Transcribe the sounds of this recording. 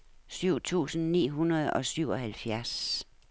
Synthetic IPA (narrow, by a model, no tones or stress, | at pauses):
syʊ̰t͡sʰṵːsn̩nḭːɦunɐð̩ˠɒ̽syʊ̰ɒ̽hælfjæɐs